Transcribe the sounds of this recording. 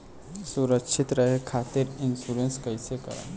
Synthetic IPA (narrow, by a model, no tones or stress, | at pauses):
suɾəkʃʰit̪ɾəɦekʰat̪iɾinfuɾenskəjseka̰ɾ